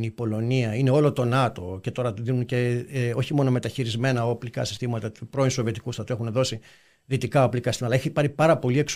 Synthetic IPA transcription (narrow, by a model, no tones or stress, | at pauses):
nipo̞lo̞niɐine̞o̞lo̞t̪o̞nɐt̪o̞ce̞t̪o̞ɾɐt̪uðinunce̞o̞çimo̞no̞me̞t̪ɐçiɾizme̞nɐoplikɐ̰si̥st̪imɐt̪ɐt̪upɾo̞inso̞viet̪ikusɐt̪ue̞xunðo̞si | ðit̪ikɐoplikɐst̪imɐtɐeçipɐɾipɐɾɐpo̞lie̞ks